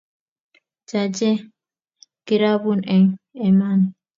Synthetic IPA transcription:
d͡ʒad͡ʒɛ | ɡ̥iɾabunʔɛŋɛman

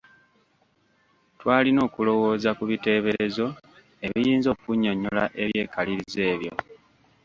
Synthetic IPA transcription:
twaːlino̞ːkulo̞wo̞ːzakuβite̞ːβe̞ɾe̞zo̞ | e̞βijiːnzo̞ːkuɲːo̞ɲola̰ʔe̞βje̞ːkaliɾize̞ːβjo̞̰

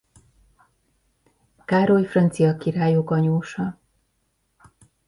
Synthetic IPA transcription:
kaːɾojfrɒnt̪sijɒkiɾaːjokɒɲoːʃɒ

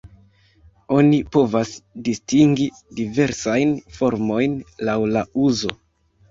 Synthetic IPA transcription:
o̞nipo̞vasdistiŋɡi | dive̞ɾsajnfo̞ɾmo̞jnlawlauzo̞

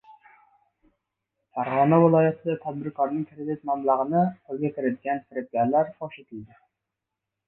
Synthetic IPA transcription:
fæɾʁɑnɛwɨlˠɑːjɛt̪ʰɨd̪ɨt̪ʰɛd̪̚bɪɾkʰɑɾnɨŋkʲʰɾɪd̪ɪt̪̚mɑmlˠəʁənɨqʰølˠɡʲɛkʲiɾɪd̪ɪɡʲɛnsɪɾɪp̚ɡʲæɾlæɾfɑʃet̪ʰɪld̪ɪ

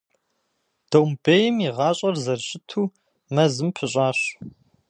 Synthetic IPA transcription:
d̥owmbeːjɪmiʁɑːɕʼɐrzɐrɕʼɪtʰuː | mɐzɨmpʰɨɕʼɑːɕ

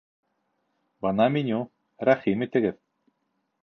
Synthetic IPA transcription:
bɤnɑminʲu | ɾæχimit̪ɘ̆ɡɘð

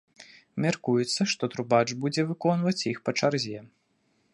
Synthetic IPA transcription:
mʲarkujɛt̪sːɐʂt̪ɔt̪ɾubat͡ʂbud͡zʲɛvɨkɔnvɐt͡sʲjixpɐt͡ʂarzʲɛ

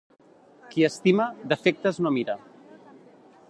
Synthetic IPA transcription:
kiəst̪iməd̪əfek̚t̪əznomiɾa

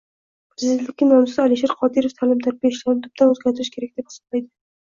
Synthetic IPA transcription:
pʰɾɪzd̪et̪lɪkʲːɪnɒmsɪzalɪʃeɾqʰɒd̪iɾoft̪ʰalɪmt̪ʰaɾpʲeɪʃlanɪnt̪ʰʊp̚t̪anɵzɡʲaɾt̪ʰɪɾɪʃkʲʰe̞ɾakʲd̪ephɪ̥sɒ̥blajd̪ɪ

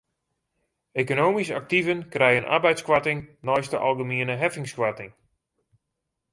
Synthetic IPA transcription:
ekonoːmisak̚tivənkrɛjənʔa̰rbɛjtskʋatɪŋnɔjstəʔalˠɡəmiənəɦɛfɪŋskwatɪŋ

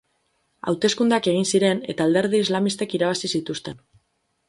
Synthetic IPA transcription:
a̰wt̪e̞skund̪eake̞ɣ̞insiɾe̞ne̞t̪aːld̪e̞ɾðiizlamist̪ekiɾaβ̞asisit̪ust̪e̞n

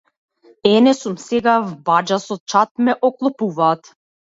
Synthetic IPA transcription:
ɛnɛsumsɛɡavbad͡ʒasɔt͡ʃat̪̚mɛʔɔklˠɔpuvaːt̪

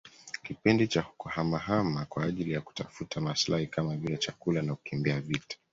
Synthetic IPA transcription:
kipindit͡ʃahu̥kɔhamaɦamakwaːʄilijaku̥tafutʰamaslahikamaviat͡ʃakulanakukimbiavitḁ

